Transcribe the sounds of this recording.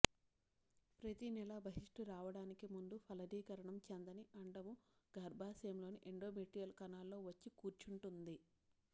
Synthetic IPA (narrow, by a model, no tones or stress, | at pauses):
pɾɐt̪inɛlɐbɐɦiʂʈuɾaːʋɐɽaːnikimund̪upʰɐlɐd̪iːkɐɾɐɳɐmt͡ʃend̪ɐniɐɳɖɐmu | ɡʱɐɾbʱaːsijɐmlo̞ːniʔeɳɖoːmeʈijɐlkɐnaːlːo̞ːʋɐt͡ʃːikuːɾt͡ʃuɳʈund̪i